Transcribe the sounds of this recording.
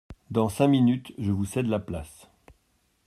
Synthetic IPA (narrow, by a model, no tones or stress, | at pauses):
d̪ɑ̃sɛ̃minyt̪ʒəvusɛd̪laplas